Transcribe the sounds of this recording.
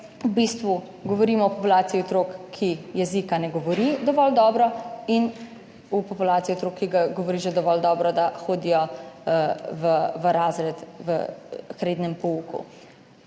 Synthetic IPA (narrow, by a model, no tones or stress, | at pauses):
ubist̪ʋu | ɡɔʋɔɾiːmɔːpɔpulaːt̪siiɔt̪ɾoːkʰːijɛzikanɛɡɔʋɔɾid̪ɔʋɔld̪ɔːbɾɔin | upɔpulaːt̪siiɔt̪ɾoːkːiɡaɡɔʋɔɾiʒɛd̪ɔʋɔːld̪ɔːbɾɔd̪axoːd̪ijɔ | ʋəʋəɾaːzɾɛt̪ʋə̰xɾeːd̪nɛmpɔuːkṵ